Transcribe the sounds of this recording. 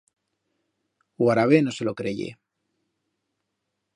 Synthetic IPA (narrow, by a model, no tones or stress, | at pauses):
waɾaβe̞no̞se̞lo̞kɾeʝḛ